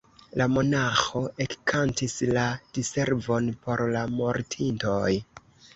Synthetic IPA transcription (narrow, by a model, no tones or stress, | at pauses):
lamo̞naxo̞ʔekːʰantislad̥ise̞ɾvo̞npo̞ɾlamo̞ɾtʰinto̞j